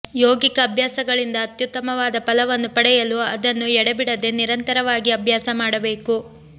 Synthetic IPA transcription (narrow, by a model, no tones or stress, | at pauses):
joːɡikɐːbʱjaːsɐɡɐɭind̪ɐːt̪jut̪ːɐmɐʋaːd̪ɐpɐlɐʋɐnːupɐɽɛjɐluɐd̪ɐnːuɛɽɐbiɽɐd̪e̞niɾɐnt̪ɐɾɐʋaːɡiɐbʱjaːsɐmaːɽɐbe̞ːku